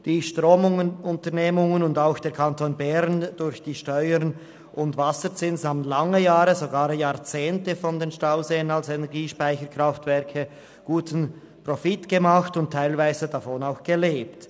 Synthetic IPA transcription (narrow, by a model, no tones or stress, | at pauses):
d̥iːʃtʁoːmʊŋənʊntəʁneːmʊŋənʊndaʊxd̥eːɐkʰantʰoːnbɛɾnd̥ʊɾçd̥iːʃtɔʏəɾn | ʔʊndvasət͡sɪnsaːbnlaŋəjaːɾəzoɡaːɾjaːʁt͡seːntəfɔndeːnʃtaʊzeːənalsenɛʁɡiːʃpaɪçəkʁ̥aftv̥ɛɾkʰə | ɡ̥uːtn̩ | profɪtɡ̥əmaxtʊntʰːaɪlvaɪzədafoːnaʊxɡ̥əleːpt